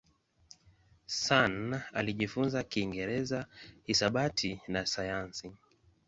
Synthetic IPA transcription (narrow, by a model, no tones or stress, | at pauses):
sana̰liʄifunzakiːŋɡɛɾɛzahisaɓatʰinasajansi